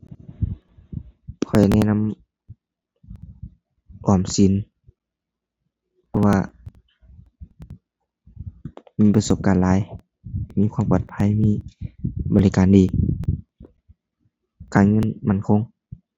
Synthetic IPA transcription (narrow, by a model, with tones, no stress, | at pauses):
kʰɔ˨˩jnɛ˧˨na˧˥˨m | ʔɔː˧˩msi˨˦n | pʰɔ˧waː˧ | miː˧˥˨pa˧so˧˦p̚kaː˨nlaː˨˦j | miː˧˥˨kʰwa˧mpɔː˨˩t̪̚pʰa˧˥˨jmiː˧˥˨bɔː˨li˧kaː˨ndiː˨˩˦ | kaː˨nŋɤ˧˥˨nma˧˥˨nkʰo˧˨ŋ